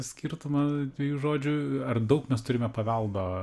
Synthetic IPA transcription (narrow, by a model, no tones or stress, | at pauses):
sʲkʲiɾt̪ʊmɐd̪ʲʋʲɛjuːʒoːd͡ʒʲʊɐrd̪ɐʊkmʲɛst̪ʊɾʲɪmʲɛpɐʋʲɛlˠd̪oː